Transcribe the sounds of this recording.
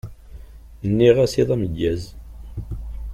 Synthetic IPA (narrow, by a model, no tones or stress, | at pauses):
nːiʁæsiðˤæməʝːæz